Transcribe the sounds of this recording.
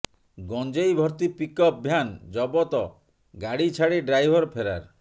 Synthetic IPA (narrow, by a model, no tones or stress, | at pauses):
ɡɔnd͡ʒejbʱɔɾt̪ipikɔp̚bʱjand͡ʒɔbɔt̪ɔ | ɡaɽit͡ʃʰaɽeɖɾajbʱɔɾpʰeɾa̰ɾ